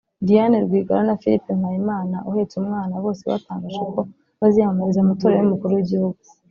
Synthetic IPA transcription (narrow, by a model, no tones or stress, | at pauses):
dijaneɾɡwiːɡaɾanafilipeŋhajimaːnaʔuheːt͡sumŋaːnaβo̞ːse̞βa̰taːŋɡaʒeko̞ | βazihamaɾizamato̞ːɾajumukuɾuwiɟihuɡu̥